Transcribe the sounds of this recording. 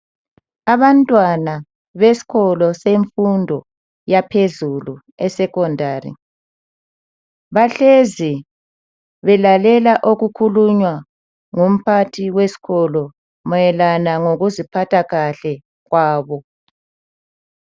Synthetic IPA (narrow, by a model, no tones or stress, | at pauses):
aβantʼwana | βesi̥ɣɔlɔseɱfundʱɔ | japʰezulu | ɛsɛkɔndʱaːrḭ | βaɬezi | βɛlalɛlaʔoɣukʰuluɲwa | ŋum̩pʰatʰiwesi̥ɣɔlɔ | mɔjɛlanaŋoɣuzipʰatʰaɣaɬɛ | ɣwaːβɔ